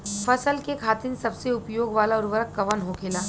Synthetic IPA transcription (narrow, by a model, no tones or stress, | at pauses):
fɐsəlkekʰaːt̪ɪnsɐbseʊpjoːɡʋaːlaʊɾʋəɾəkːɐʋənɦokʰeːlaː